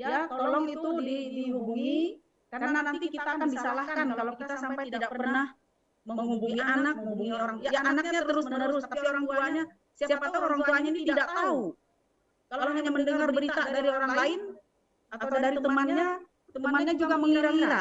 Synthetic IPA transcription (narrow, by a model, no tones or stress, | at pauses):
jjat̪olɔŋit̪udidiɦubuŋi | kaarnanat̪ikit̪aːkandisalahkankalokit̪asampajt̪ididakərpərnah | məməŋhubuŋianakubuŋiajajaanakk̚ɲat̪əɾəɾʊsmənəɾʊsat̪apioɾaŋt̪uaɲa | siasiapat̪aoɾaŋt̪uaɲanit̪idaʔ̚t̪au | kalalaɦaɲaməndəŋarbəɾit̪adaɾioɾaŋlaɪn | aat̪adaɾit̪əmanɲa | t̪əəmanɲad͡ʒuɡaməŋiɾaŋiɾa